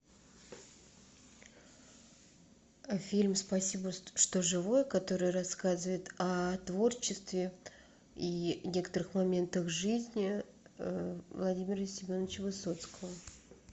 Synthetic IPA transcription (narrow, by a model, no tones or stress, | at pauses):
fʲilʲmspɐsʲibəʂt̪o̞ʐɨvo̞jəkɐt̪o̞ɾɨjərɐskazɨvəjɪt̪ɐt̪vo̞rt͡ɕːɪst̪vʲɪ | inʲe̞kə̥t̪əɾɨxmɐmʲe̞nt̪əxʐɨzʲnʲɪ | vlˠɐdʲimʲɪrəsʲɪmʲo̞nːət͡ɕəvɨso̞t̪skəvə